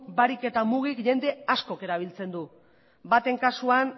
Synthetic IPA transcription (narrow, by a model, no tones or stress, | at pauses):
baɾike̞t̪amuɣ̞ikʝe̞nd̪e̞asko̞ke̞ɾaβ̞ilt͡se̞nd̪u | bat̪e̞ŋkasuan